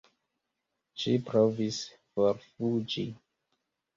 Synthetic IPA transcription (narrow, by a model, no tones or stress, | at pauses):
ʃipɾovis | foɾfud͡ʒi